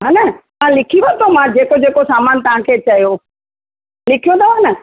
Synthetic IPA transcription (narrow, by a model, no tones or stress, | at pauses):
ɦaːnɐmãlɪkʰiʋɐt̪ʰomãd͡ʑeːkod͡ʑeːkosaːmaːnt̪ɐʋ̤ãkʰeːt͡ɕɐijo | lɪkʰijõd̪ʰaʋaːnɐ